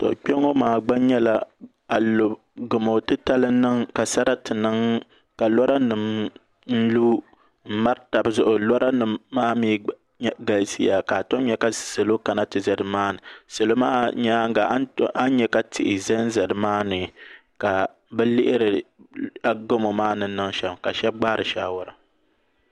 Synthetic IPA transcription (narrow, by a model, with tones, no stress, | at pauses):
tɔ̰˨ʔk͡pɛ˦ŋo˦maː˨ɡ͡ba˦ɲɛ˦la˨ | a˨lo˨ | ɡʊ˨mo˨tɨ˦ta˦lɨ˦nɨ˦ŋka˨sa˦ɾa˦tɨ˨nɨ˦ŋ | ka˨lɔ˦ɾa˦nɨ˨m | n̩˦lu˦ | m̩˦ma˦ɾta˨bzʊ˦ʔʊ˨lɔ˦ɾa˦nɨ˨mːaː˦miː˦ | ɡa˨lsi˦ja˨ka˨to˦m˦ɲɛ˦ka˦sɨ˨lo˦ka˨na˦tɨ˨zɛ˨dɨ˨maː˦nɨ˨sɨ˨lo˦maː˦ɲa˦ŋ˦ɡa˨˦ʔa˦ɲɛ˦ka˦tʰɪ˨ʔɪ˨zɛ˦n˦zɛ˨dɨ˨maː˦nɨ˨ka˨ | bɛ˦lɪ˦ʔɪ˦ɾɨ˨ | a˦ɡo˦mo˨maː˦nɨ˨˦nɨ˦ŋʃɛ˨bka˨ʃɛ˦b̚ɡ͡ba˦ɾʔɨ˨ʃaː˦wʊ˨ɾɨ˨